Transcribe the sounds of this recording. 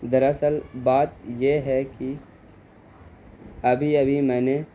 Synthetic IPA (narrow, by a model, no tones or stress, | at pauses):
d̪əɾəsəlbaːt̪jeɦɛki | ɐbʱiɐbʱimɛ̃ːne